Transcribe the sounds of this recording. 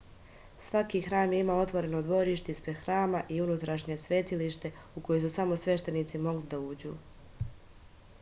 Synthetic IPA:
sʋakixɾaːmjeimao̞t̪ʋo̞ɾe̞nod̪ʋo̞ɾiʃt̪eispɾexɾaːmaʔiunut̪ɾaʃɲe̞sʋe̞t̪iliʃt̪e̞ | uko̞jojsusamo̞sʋe̞ʃt̪e̞niːt̪simo̞ɡlid̪auːd͡ʑṵː

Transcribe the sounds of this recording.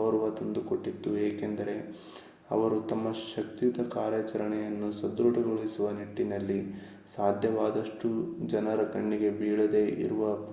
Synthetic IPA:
ʋɐɾuʋɐt̪ɐnd̪uko̞ʈːit̪ːueːke̞nd̪ɐɾe̞ | ɐ̰ʋɐɾut̪ɐmːɐʃɐkt̪it̪ɐkaːɾjɐt͡ʃɐɾɐɳɛjɐnːusɐd̪ɾuʈɐɡoɭisuʋɐniʈːinɐlːi | saːd̪ʱjɐʋaːd̪ɐʂʈud͡ʒɐnɐɾɐkɐɳːiɡe̞biːɭɐd̪e̞ʔḭɾuʋɐ

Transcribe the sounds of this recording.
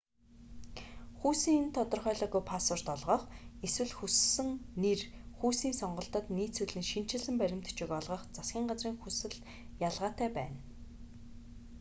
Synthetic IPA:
xuːsiːŋent̪ʰɔt̪ɞ̆rχœːɮɔːɣujpʰasɔrt̪ɔɮʁɞːχeswɘ̆ɮxusɘ̆ŋnerxuːsiːnsɔɴɢɞ̆ɬt̪ə̆t̪niːt͡suɮɘ̆ŋʃin̥t͡ɕɪ̆ɮɘ̆mpæɾʲɪ̆m̥t̪ʰt͡ɕɪ̆kɔɮʁɞ̆χt͡sasɡʲiːɴɢat͡sriːŋxusɘ̆ɮ | jaɮʁaːt̪æːpæ̰ːn

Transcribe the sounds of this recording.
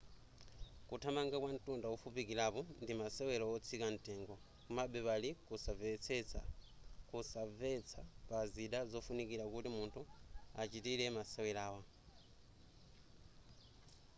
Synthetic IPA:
kutʰamaŋɡakwan̩tundawufupikiɾapɔndimasɛwɛlawɔt͡sʰikan̩tɛŋɡɔ | kumaɓɛpalikusavɛt͡sʰɛt͡sa̰kusavɛt͡sʰapaziɗazɔfunikiɾakutimuntʰuat͡ʃitiɾɛmasɛwɛlaːwa

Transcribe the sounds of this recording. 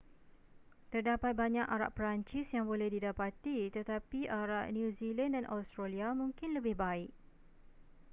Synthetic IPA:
t̪ərdapat̪̚baɲãkaɾa̰ʔ̚pɾaɲt͡ʃɪsjaŋbolɛhdidapat̪it̪ət̪apiʔaɾaʔnjũzilandanʔa̰st̪ɾaliamũŋkɪnləbɪhbaɪk̚

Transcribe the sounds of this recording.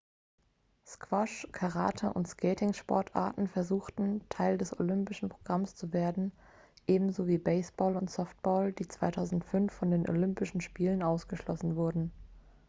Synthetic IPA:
skv̥ɔʃkʰaʁa̰ːtʰaʔʊ̰ntskʰɛːtɪŋʃpɔ̰ɐtʰʔa̰ɐtn̩fɛɐzuːxtn̩tʰaɪldɛso̰lʏmpɪʃn̩pʁ̥oɡ̥ʁamst͡suveːɐdn̩ | ʔeːbm̩zoːviːbɛɪsb̥ɔːlʊntsɔft̚b̥ɔːld̥iːt͡sv̥aɪtʰaʊzn̩tfʏnfːɔndeːnʔo̰lʏmpɪʃn̩ʃpiːlənaʊsɡ̥əʃlɔsn̩vʊɐdn̩

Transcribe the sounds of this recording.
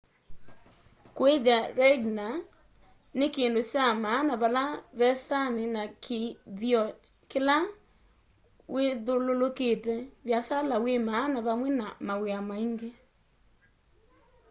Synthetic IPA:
kweðeaɾɛɡna | nekeːndoɕamaːnaβalaβɛsanenakʰeðiɔ | kela | weðololoketɛβjasalawemaːnaβamwɛnamaɣweamaiŋɡe

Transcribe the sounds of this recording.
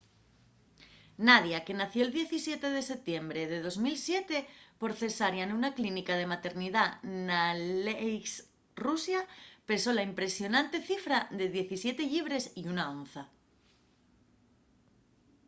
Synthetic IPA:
naðjake̞naθjoeld̪je̞θisje̞t̪e̞ð̞e̞se̞p̚t̪je̞mbɾe̞ðe̞ð̞o̞zmilsje̞t̪e̞po̞ɾθe̞saɾjanunaklinikað̞e̞mat̪e̞ɾnið̞anales | rusjape̞so̞laimpɾe̞sjo̞nãnt̪e̞θifɾaðe̞ðje̞θisje̞t̪e̞ʎiβ̞ɾe̞siunao̞nθa

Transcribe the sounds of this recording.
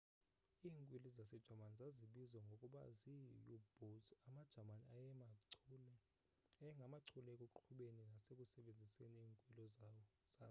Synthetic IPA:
iːŋkʼwilizasɛd̥ʒ̥ʱamanizaziɓizwaŋɡʱokʼuɓa̰zijub̥osamad̥ʒ̥ʱamanḭajɛmal | ɛŋɡʱamaǀʰulɛekʼuǃʰuɓeninasekʼusɛɓend͡zʱiseniiːŋkʼwilɔzawɔz̥aː

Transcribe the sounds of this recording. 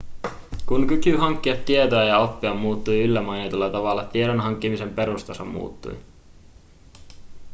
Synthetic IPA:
kuŋkykyɦɑŋkːiɑt̪ːie̞t̪oæjɑo̞pːiɑmːuːt̪ːujylːæmɑjet̪ulːɑt̪ɑʋɑlːɑt̪ieɾonɦɑŋk̟ːimise̞mpe̞ɾust̪ɑsɑmːṵːt̪ːṵj

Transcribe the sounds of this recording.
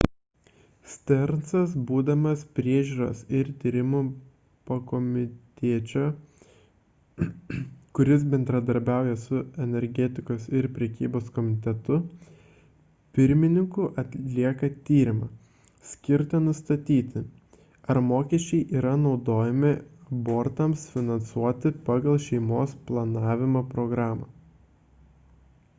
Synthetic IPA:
sʲt̪ʲɛɾnsɐsbuːd̪ɐmɐspʲɾʲiɛʒʲuːɾɐsɪɾt̪ʲiːɾʲɪmu | pɐkomʲɪt̪ʲiːt͡ʃʲo | kʊɾʲɪs̬bʲɛnʲd̪ɾɐd̪ɐɾʲbʲæˑʊjɛsʊɛnʲɛɾʲɡʲɛt̪ʲɪkoːsɪɾpʲɾʲɛkʲiːboːskɔmʲɪɪt̪ʲɛt̪ʊ | pʲɪɾʲmʲɪnʲɪŋkʊʔɐt̪ʲllʲiɛkɐt̪ʲiːɾʲɪmɐ | sʲkʲɪɾʲt̪ɐnʊst̪ɐt̪ʲiːt̪ʲɪ | ɐɾmoːkʲɛʃʲt͡ʃʲɛɪʔiːɾɐnɒʊd̪oːjɛmʲɪɐboːɾt̪ɐmsfʲɪnɐnsuɔt̪ʲɪpɑːɡɐlˠʃʲɛɪmoːsplˠɐnɑːʋʲɪmoːpɾɔɡɾɑːmɐ

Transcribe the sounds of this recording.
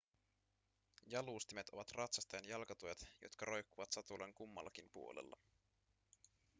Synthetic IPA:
jɑluːst̪imet̪o̞ʋɑt̪rɑt̪sɑst̪ɑjɑnjɑlkɑt̪ujɑt̪jo̞̰t̪kɑɾʔo̞jkːuʋɑt̪sɑt̪uleŋkumːɑ̰lːɑkimpuo̞lḛlːɑ

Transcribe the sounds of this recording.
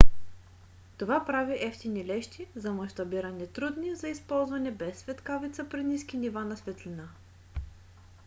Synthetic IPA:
t̪ovapɾaviʔɛft̪inilɛʃt̪izɐmɐʃt̪ɐbiɾɐnɛt̪ɾud̪nizɐispɔlˠzvɐnɛbɛsːvɛt̪kavit̪səpɾiniskinivanɐsvɛt̪lʲina

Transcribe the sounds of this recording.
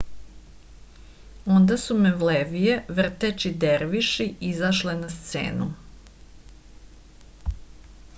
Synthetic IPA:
o̞nd̪asumeʋleʋijeʋr̩t̪et͡ʃid̪eɾʋiʃiizaʃlenast̪sḛːnu

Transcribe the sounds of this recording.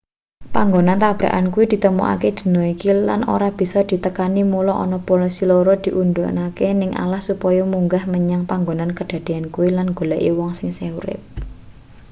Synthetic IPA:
paŋɡonant̪ab̥ɾa̰ʔank̬uwid̪̥i̤t̪əmṵʔa̰ked̪̥ə̤nɔikila̰no̰ɾab̥i̤sɔd̪̥i̤t̪əkanimulɔʔɔ̰nɔpolisiloɾɔd̪̥i̤ʔund̪o̰ʔnakenɪŋʔa̰lahsupɔjɔmuŋɡahməɲaŋpaŋɡonankəd̪̥a̤d̪̥e̤ankuwilanɡ̥o̤laʔiwɔŋsɪŋseuɾɪ̰p̚

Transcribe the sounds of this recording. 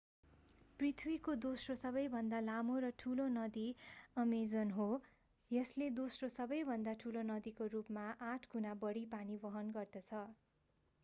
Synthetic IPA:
prit̪ʰwikod̪osrosʌβʌjbʱʌnd̪alamoɾʌʈʰulonʌd̪iʌmed͡zʌnɦo | jʌsled̪osrosʌbʌjbʱʌnd̪aʈʰulonʌd̪ikorupmaʔãʈʰɡunabʌɽipanibʌɦʌnɡʌrd̪ʌt͡sʰʌ

